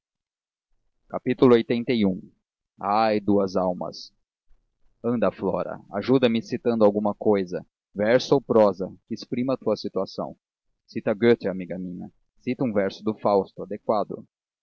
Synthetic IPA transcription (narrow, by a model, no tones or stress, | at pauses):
kapit̪ʊlʊojt̪ẽnt̪ɐjũ | ajd̪uɐzawmɐ̰s | ɐ̃nd̪ɐflɔ̰ɾɐ̰a̰ʒud̪ɐmɪsit̪ɐ̃nd̪ʊawɡũmɐkojzɐ | vɛɾsʊowpɾɔzɐkɪːspɾĩmɐt̪uɐsit̪uasɐ̰̃w̃ | sit̪ɐɡot̪ɪamiɡɐmĩɲɐ̰ | sit̪ɐũvɛɾsʊd̪ʊfawst̪ʊad̪ekwad̪ʊ̰